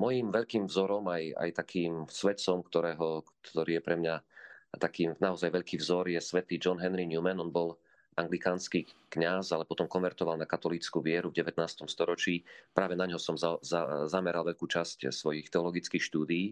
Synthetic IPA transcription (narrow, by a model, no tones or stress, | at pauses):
mɔjiːmʋɛʎkiːmvzɔɾɔmaja̰jt̪akʰiːmsʋɛt̪sɔmkt̪ɔɾɛːɦɔkt̪ʰɔɾiːjɛpɾɛmɲat̪akiːmnaɔzajʋɛʎkiːvzɔɾjɛsʋɛt̪iːd͡ʒɔnɦɛnɾiɲumɛnɔnbɔl | ʔaŋɡlikaːnskiːkɲazalɛpɔt̪ɔmkɔnʋɛɾt̪ɔʋalnakat̪ɔliːt͡skuʋɪɛɾuvɟɛʋɛt̪̚naːst̪ɔmst̪ɔɾɔt͡ʃiːpɾaːʋɛnaɲɦɔsɔmzazazamɛɾalʋɛʎkuːt͡ʃascsʋɔjixt̪ɛɔlɔɡit͡skiːxʃt̪uːd̪iː